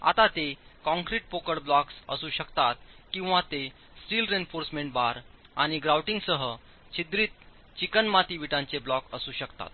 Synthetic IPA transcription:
a̰t̪at̪ekɔ̃ŋkɾiʈ̚pokəɽblɔksə̰suːɕəkt̪at̪̚kĩw̃ʋat̪e | sʈiːlɾenfoɾsmeɳʈ̚baɾ | aɽ̃iɡɾawʈiŋɡsəɦə | t͡ɕid̪ɾiːt̪̚ | t͡ɕikənmat̪iʋiʈãɲt͡seblɔkəsuːɕəkt̪a̰t̪̚

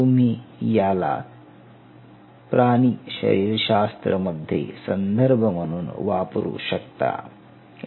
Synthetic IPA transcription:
umijaːla̰ː | pɾaːniʃɐ̰ɾiːɾʃaːst̪ɾɐmɐd̪ʱjḛsɐnd̪ʱɐɾbʱɐmɐnun̰ʋaːpuɾṵːʃɐk̚t̪a̰ː

